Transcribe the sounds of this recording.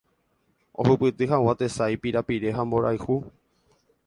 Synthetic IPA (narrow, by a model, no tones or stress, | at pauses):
o̰hupɨt̪ɨɦawat̪e̞sajpiɾapiɾe̞ɦambo̞ɾajhu